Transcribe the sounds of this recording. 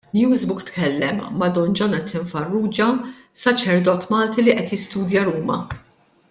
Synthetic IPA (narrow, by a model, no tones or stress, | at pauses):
njuːzbʊkt̪kɛlːɛmːɐd̪ɔnd͡ʒɔnɐt̪ʰɪɱfɐrːuːd͡ʒɐ | sɐt͡ʃɛɾd̪ɔːt̪mɐːlt̪iliʔɛt̪jɪst̪uːd̪jɐɾuːmɐ̰